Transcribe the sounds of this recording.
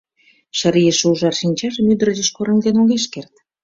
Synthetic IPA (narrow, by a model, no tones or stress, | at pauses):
ʃə̆ɾijəʃeuʒɑrʃinʲt͡ɕɑʒə̆myd̪ə̆rd͡ʑəʃkoɾə̆ŋd̪enoɣeʃkert̪